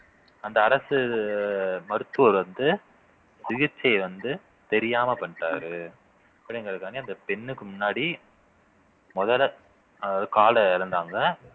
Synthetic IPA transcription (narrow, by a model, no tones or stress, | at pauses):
ɐnd̪ɐːɾɐsɯ | mɐɾɯt̪ːɯoːɾʋɐnd̪ɯ | sɪɣɪt͡ʃːɐɪʋɐnd̪ɯ | t̪ɛɾɪjaːmɐpɐɳʈːaːɾɯ | ɐpːɐɽɪŋɡɐɾɯkːaːniɐnd̪ɐpɛɳːɯkːɯmʊnːaːɽi | mɔðɐl | kaːlɐɪɾɯnd̪aːŋɡɐ